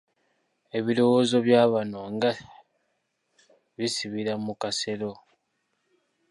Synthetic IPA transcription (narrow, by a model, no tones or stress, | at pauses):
e̞βiɾo̞wozo̞βjaːβano̞ŋɡa | βisiβiɾamukase̞ɾo̞